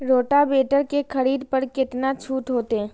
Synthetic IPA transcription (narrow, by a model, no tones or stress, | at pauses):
ɾoːʈabeːʈəɾkekʰɐɾiːd̪pɐɾkɪt̪nat͡ʃʰuːt̪ɦoːt̪eɦɛ̃ː